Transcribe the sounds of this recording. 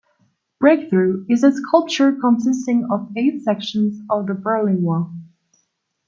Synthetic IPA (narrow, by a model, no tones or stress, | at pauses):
b̥ɹeɪkθɹʉɪzɨskʰʌlˠp̚t͡ʃə˞kʰə̃nsɪstɪ̃ŋʌveɪtsɛkʃə̃n̩zʌvðəbɜ˞lɪ̃ŋwɔɹ